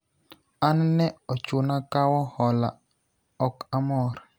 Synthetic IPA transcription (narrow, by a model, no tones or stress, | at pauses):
annɛɔt͡ʃʊnakawɔhɔla | ɔkamɔɾ